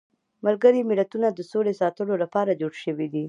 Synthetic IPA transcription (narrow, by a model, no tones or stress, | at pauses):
malɡəɾimɪlat̪unad̪əsolesɑt̪əlolapɑɾad͡ʒoɽʃəwid̪i